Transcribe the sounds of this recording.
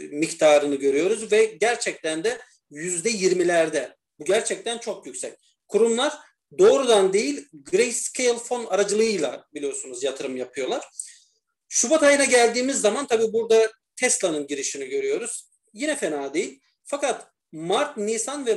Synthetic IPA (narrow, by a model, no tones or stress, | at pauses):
mict̪ʰaːɾɯnɯɟø̞ɾyjo̞ɾuzvɛɟæɾt͡ʃʰɛc̚t̪ʰænd̪ɛ | jyzd̪ɛjiɾmilʲæɾd̪ɛ | buɟæɾt͡ʃʰɛc̚t̪ʰænt͡ʃʰo̞kjycsɛc | kʰuɾumlˠaɾ | d̪o̞ːɾud̪and̪e̞jilʲɡɾejscʰejlʲˠfo̞naɾad͡ʒɯlˠɯjɯjlˠabilʲijo̞sunuzjat̪ʰɯɾɯmjapʰɯjo̞lˠaɾ̥ | ʃubat̪ʰajɯnaɟælʲd̪iːmizːamant̪ʰabiːbuɾd̪a | t̪ʰɛslˠanɯnɟiɾiʃiniɟø̞ɾyjo̞ɾuz̥ | jinɛfenaːd̪e̞jilʲ | fakat̪ | maɾt̪nisanvɛ